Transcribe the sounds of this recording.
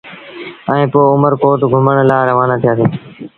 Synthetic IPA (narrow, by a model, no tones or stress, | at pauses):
ɛ̃ẽːpoːʊməɾkoːʈɡʱʊməɽ̃laːɾəʋaːnaːt̪ʰijaːsiː